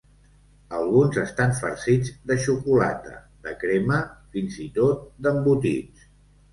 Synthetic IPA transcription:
əlˠɣunzəst̪aɱfə̰ɾsid͡zd̪əʃukula̰t̪ə̰ | ðəkɾeməfinzit̪ot̪̚d̪əmbut̪ḭt͡s

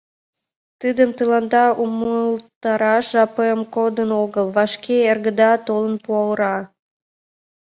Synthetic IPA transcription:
t̪ɨd̪əmt̪əlɑnd̪ɑuməlt̪ɑɾɑʃʒɑpəemkod̪ənoɣəlˠβɑʃkeerɣəd̪ɑt̪olənpuɑwəɾɑ

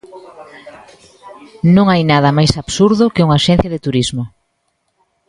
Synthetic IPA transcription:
nõŋajnað̞ɐmajsaβsuɾðʊkeuŋaʃɛ̃n̟θjɐðɪt̪uɾizmo

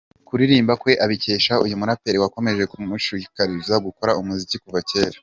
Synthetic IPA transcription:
kuɾiɾiːmbakwe̞ʔaβice̞ːʃaujumunapeɾewako̞me̞ʒe̞kumuʃiikaɾizaɡuko̞ɾaumuzicikuvace̞ːɾa

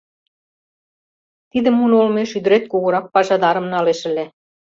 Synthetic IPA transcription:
t̪id̪ə̆munolmeʃyd̪ə̆ɾet̪̚koɣŏɾɑk̚pɑʒɑd̪ɑɾə̆mnɑleʃɘ̆le

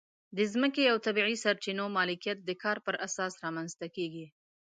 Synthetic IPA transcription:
d̪əzməkeawt̪abiʕisaɾt͡ʃinomɑlɪkijat̪̚d̪əkɑɾpəɾʔasɑsɾɑmanzt̪akeɡi

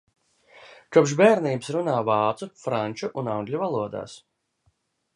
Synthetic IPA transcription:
kupʃbeːɾniːbsɾunaːvɑːt̪sufɾanʲt͡ʃuʔunawŋɡʲlʲuvalˠuɔd̪a̰ːs

